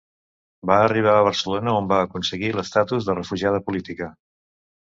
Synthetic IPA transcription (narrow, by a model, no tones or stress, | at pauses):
baəriβ̞aəβ̞əɾsəlonəombaːkunsəɣiləst̪at̪uzðərəfuʒað̞əpulit̪ikə